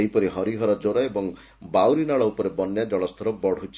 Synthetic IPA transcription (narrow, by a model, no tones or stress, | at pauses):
ejpɔɾiɦɔɾiɦɔɾɔd͡ʒoɾɔebɔŋ | bawɾinaɭɔupɔɾebɔnjad͡ʒɔɭɔst̪ʰɔɾɔbɔɽ̤ʱut͡ʃʰ